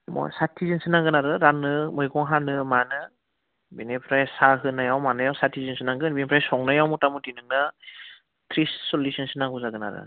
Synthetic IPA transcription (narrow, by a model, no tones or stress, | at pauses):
mɔ̰jsatʰizinsɯnaŋɡɯnaɾɯɾanɯmɯjɡɔŋɦanɯmanɯ | binipʰɾajsaɦɯnajawmanɯjawsatʰizinsɯnaŋɡɯnbipʰɾajsɔŋnajawmutamutinɯŋnɯ | tʰɾisːɔlisinsɯnaŋbuzaɡɯna̰ɾɯ̰